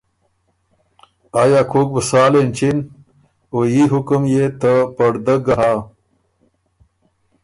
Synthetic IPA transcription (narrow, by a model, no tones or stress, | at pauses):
ajaːkʰok̚bəsaːlent͡ɕin | ojiɦukumjet̪əpɐɽd̪əɡɐɦaː